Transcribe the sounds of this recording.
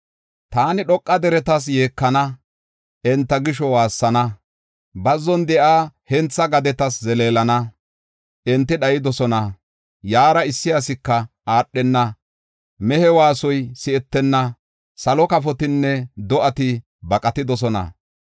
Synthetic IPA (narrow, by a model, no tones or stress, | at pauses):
t̪aːnɪɗɔkʼːɐd̪ɛɾɛt̪ɐs̬je̞ːkːɐnɐ | ʔɛnt̪ːɐɡɪʃɔwaːsːɐnɐ | bɐzːɔnd̪ɛʔaːhɛnt͡sːɐɡɐd̪ɛt̪ɐszɛleːlɐnɐ | ʔɛnt̪ːɪɗɐjɪd̪ɔsɔnɐ | jaːɾɐɪsːɪjas̬ɪkːɐ | aːɗːɛnːɐ | mɛhɛwaːsɔjsɪʔɛt̪ːɛnːɐ | sɐlɔkɐfɔt̪ɪnːɛd̪ɔʔɐt̪ɪ | bɐkʼɐt̪ɪd̪ɔs̬ɔnɐ̰